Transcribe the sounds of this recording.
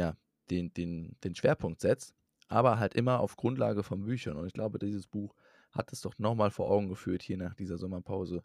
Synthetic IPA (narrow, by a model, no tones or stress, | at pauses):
jaː | d̥eːndeːnd̥eːnʃv̥eːɐpʰʊŋk̚tz̥ɛt͡st | ʔa̰ːbɐɦaltʔɪmɐʔa̰ʊfɡ̥ʁʊntlaːɡəfɔnbyːçɐnʊntɪçɡ̥laʊbədiːzəsb̥uːx | ha̰t̚d̥asd̥ɔχnɔχmaːlfoːɐʔaʊɡŋ̩ɡəfyːɐthiːɐnaːχd̥iːzɐzɔmɐpʰaʊzə